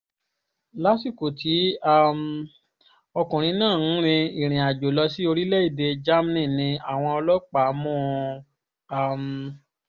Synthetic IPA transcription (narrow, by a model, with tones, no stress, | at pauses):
la˦si˦˨ko˨tʰi˨˦a˦m | ɔ˧kũ˨ɾ̃ĩ˧˦nãː˦˨n̩˦ɾ̃ĩ˧i˨ɾ̃ĩ˨a˨d͡ʒo˨lɔ˧si˦o˧ɾi˦lɛ˦i˦˨de˧d͡ʒa˦m˦nĩ˦˨nĩ˧a˨w̃ɔ̃˧ɔ˧lɔ˦k͡pa˨˦˧mɔ̃˦˧ | a˦˨m